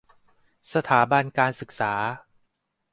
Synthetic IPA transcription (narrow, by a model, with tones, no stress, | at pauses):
sa˧t̪ʰaː˩˦ba˧nkaː˧nsɯ˨˩k̚saː˩˦